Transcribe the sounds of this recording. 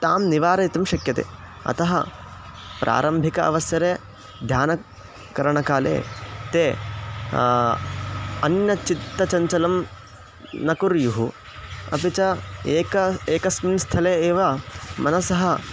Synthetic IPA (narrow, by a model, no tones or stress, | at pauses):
t̪aːmniʋaːɾɐjt̪ɐmʃɐkjɐt̪ḛː | ɐ̰t̪ɐɦɐ̰ | pɾʔa̰ːɾɐmbʱikɐʔɐ̰ʋɐsjɐɾeː | d̪ʱjaːnɐ | kɐɾɐɳɐkaːlḛːt̪eː | ɐnjɐt͡ʃit̪ːɐt͡ʃɐɲt͡ʃɐlɐm | nɐkuɾjuɦu | ɐ̰pit͡ʃɐeːkɐeːkɐsminst̪ʰɐleeːʋɐmɐnɐsɐɦɐ